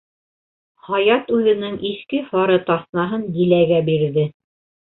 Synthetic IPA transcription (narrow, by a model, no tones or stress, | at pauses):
hɑjɑt̪ʉðɘ̆nɘŋʔiʃkɘfɑɾɤt̪ɑθnɑɦɤnd̪ilæɡæbiɾðɘ